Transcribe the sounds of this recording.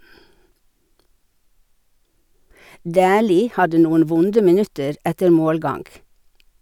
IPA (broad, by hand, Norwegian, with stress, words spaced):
ˈdæːliː ˈhɑdə ˈnuːən ˈʋʊndə mɪˈnʉtəɾ ˈɛtəɾ ˈmoːlˌɡɑŋɡ